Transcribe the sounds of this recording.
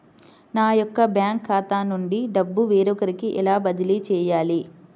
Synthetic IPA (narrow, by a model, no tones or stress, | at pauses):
naːjɔkːɐbjaːŋkʰːaːt̪aːnuɳɖiɖɐbːuʋeːɾɔkɐɾikiʔɛ̰laːbɐd̪iliːt͡ʃɛːjaːli